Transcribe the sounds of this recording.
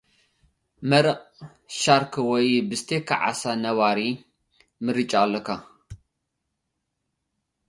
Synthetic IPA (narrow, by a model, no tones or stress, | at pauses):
mɐɾɐqʼ | ʃaɾkʰɨwɔjbɨst̪ʰekʰa̰ʕa̰sanɐβaɾi | mɨɾɨt͡ʃʼaːlːɐkʰa